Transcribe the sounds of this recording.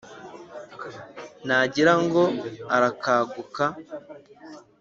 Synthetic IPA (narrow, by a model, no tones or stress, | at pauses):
naɟiɾaŋɡo̞aɾakaːɡuka